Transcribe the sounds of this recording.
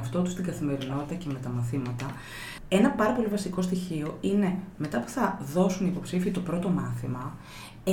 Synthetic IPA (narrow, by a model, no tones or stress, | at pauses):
ft̪o̞t̪ust̪iŋɡɐθime̞ɾino̞t̪i̥t̪ɐce̞me̞t̪ɐmɐθimɐt̪ɐ | e̞nɐpɐɾɐpo̞livɐsiko̞st̪içio̞ine̞me̞t̪ɐpu̥θɐðo̞suniːpo̞psifiːt̪o̞pɾo̞t̪o̞mɐθimɐ